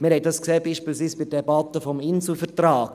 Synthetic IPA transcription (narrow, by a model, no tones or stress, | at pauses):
mɪɾhɛj̚dɑskseːbiːʃpiːlsʋiːsb̥ɪdɛbɑt̪əfɔmɪnsl̩fəɾtraːɡ̥